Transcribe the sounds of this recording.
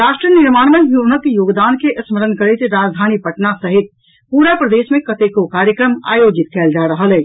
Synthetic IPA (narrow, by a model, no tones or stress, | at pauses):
ɾaʃʈɾiəniɾmaːɽmejunəkjoːɡd̪aːnkeʔəsməɾənkəɾet̪ɾad͡ʒd̪ʱaːnipəʈnasəɦit̪̚ | puɾapɾəd̪esmẽkət̪ekokaːɾjəkɾəma̰jod͡ʒit̪̚kɛːld͡ʒaɾəɦəlɛ